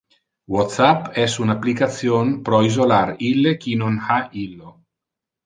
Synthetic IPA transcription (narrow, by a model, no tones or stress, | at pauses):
wɔt̪sapɛsunaplikat̪sjonpɾɔizolaɾilːekinonhailːo